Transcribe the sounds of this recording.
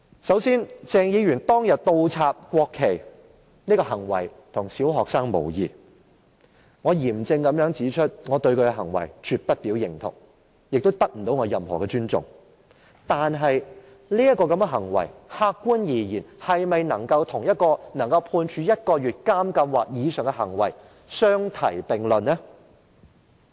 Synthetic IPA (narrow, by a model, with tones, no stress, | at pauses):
sɐ˨˥wsiː˥nt͡sɛː˧ŋjiː˨˧ɥyː˨˩nt̪ɔː˥ŋjɐ˨t̚t̪o˧wt͡sʰaː˧p̚kʷɔː˧kʰːe˨˩j | niː˥kɔː˧ɦɐ˨˩ŋwɐ̰˨˩j | t̪ʰʊ˨˩ŋsiː˨˥wɦɔː˨k̚saː˥ŋmo̰˨˩wjiː˨ | ŋɔː˨˧jiː˨˩mt͡sɪ˧ŋkɐ˨˥mjœː˨˥ŋt͡siː˨˥t͡ʃʰɵ˥t̚ŋɔː˨˧t̪ɵ˧ɥkʰɵ˧ɛ˧ɦɐ̰˨˩ŋwɐ̰˨˩jt͡ʃʰyː˨t̚pɐ˥t̚t̪iː˨˥wjɪ˨˩ŋt̪ʰʊ̰˨˩ŋ | jɪ˨k̚t̪o˥wt̪ɐ˥k̚m̩˨˩t̪o˨˥wŋɔː˨˧jɐ˨mhɔ̰ː˨˩kɛ˧t͡ʃyː˥nt͡sʊ̰˨ŋ | t̪aː˨nɦɐ˨j | liː˥jɐ˥kːɔː˧kɐ˨˥mɛ˧ɦɐ˨˩ŋwɐ̰˨˩jhaː˧kːuː˥njiː˨˩jiː˨˩nhɐ˨jmɐ˨jnɐ˨˩ŋkɐ˧wt̪ʰʊ˨˩ŋjɐ˥t̚kɔː˧nɐ˨˩ŋkɐ˧wpʰuː˧nt͡ʃʰyː˨˧jɐ˥t̚kɔː˧ɥyː˨t̚kaː˥mkɐ˧mwaː˨˩k̚jiː˨˧sœː˨ŋkɛ˧ɦɐ˨˩ŋwɐ˨˩j | sœː˥ŋt̪ʰɐ˨˩jpɪ˨˩ŋlɵ˨nːɛː˥